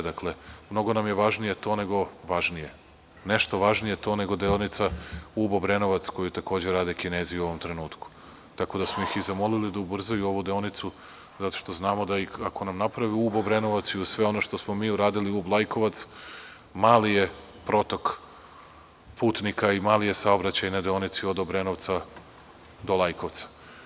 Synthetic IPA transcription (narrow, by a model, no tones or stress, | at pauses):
d̪akle̞mno̞ɡo̞namje̞ʋaʒnije̞t̪o̞ːne̞ɡo̞ʋaʒnije̞ | ne̞ʃt̪o̞ʋaʒnije̞t̪o̞ːne̞ɡo̞d̪eonit̪sauːbobɾe̞no̞ʋat̪sko̞jut̪ako̞ːd͡ʑeɾaːd̪ekineːzijuo̞ʋo̞mt̪ɾe̞nuːt̪ku̥ | t̪ako̞d̪asmojixizamo̞lilid̪aubr̩zajuo̞ʋud̪eonit̪su | zat̪o̞̥ʃt̪o̞znaːmo̞d̪aixako̞namnapɾaʋiuːbobɾeno̞ʋat̪siusʋe̞o̞no̞ʃt̪o̞smo̞miːuɾaːd̪iliublˠajko̞ʋat̪s | maːlije̞ | pɾo̞t̪o̞k | puːt̪nikaimaːlije̞sao̞bɾat͡ɕajnad̪eo̞nit̪sio̞d̪obɾenoʋt̪sa | d̪olˠajko̞ʋt̪sḁ